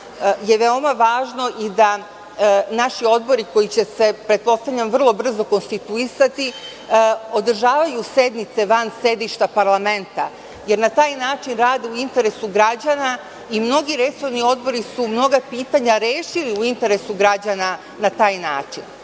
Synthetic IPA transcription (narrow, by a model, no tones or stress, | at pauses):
je̞ʋeo̞maʋaːʒno̞ʔid̪a | naʃio̞d̪̚bo̞ɾiko̞jit͡ɕe̞se̞pɾe̞t̪̚po̞st̪avʎʲamʋr̩lˠo̞br̩zo̞ko̞nst̪it̪uisat̪i | o̞d̪r̩ʒaːʋajuse̞d̪nit̪se̞ʋanse̞d̪iʃt̪apaɾlˠame̞nt̪a | je̞ɾnat̪aːjnaːt͡ʃinɾaːd̪euint̪e̞ɾe̞suɡɾad͡ʑana | imno̞ɡiɾe̞so̞ʋnio̞d̪bo̞ɾisumno̞ɡapiːt̪aɲaɾeːʃiliuint̪e̞ɾesuɡɾad͡ʑana | nat̪aːjnaːt͡ʃin